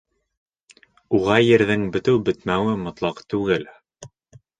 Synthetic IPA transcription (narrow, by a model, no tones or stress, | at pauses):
uʁɑjɘ̆ɾðɘŋbɘ̆t̪ɘwbɘ̆t̪mæwɘmŏt̪lˠɑqt̪ʉɡɘl